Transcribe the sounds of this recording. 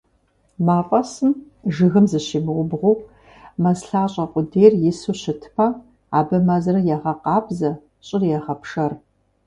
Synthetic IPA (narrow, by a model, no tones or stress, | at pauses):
maːfʼɐsɨm | ʒɨɣɨmzɨɕiːmɨʁʷʊbʁʷʊ | mɐsɬaːɕʼɐqʷʼʊdeːjrjɪsuɕɪtʰpʰɐ | aːbɐmazɐrɐjaʁɐqɑːbzɐ | ɕʼɪrjɛʁɐpʰʂɐr